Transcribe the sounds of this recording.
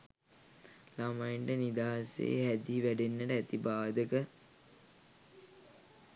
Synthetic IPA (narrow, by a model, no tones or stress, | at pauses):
lamajeɳɖənid̪aːsḛɦæd̪iʋæɖenːəʈəæt̪ibaːd̪əkə